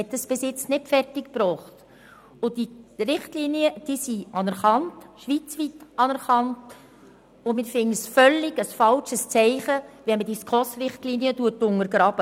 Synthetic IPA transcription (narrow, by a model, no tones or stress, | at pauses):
ɛt̚d̥̪ɑsb̥ɪsɪt͡snɪtfɛrtɪkpɾɔːχt | ʊd̥iɾɪχtliniəd̥iːsiɑnɛɾχɑntʃʋit͡sʋitɑnɛɾχɑnt | ʊmɪːɾfɪnəsfœlːɪɡəsfɑlʃəst͡sɛɪχəʋɛnmədiskʰlɔsrɪχtliːniətuətʊŋəɾɡɾɑb̥ə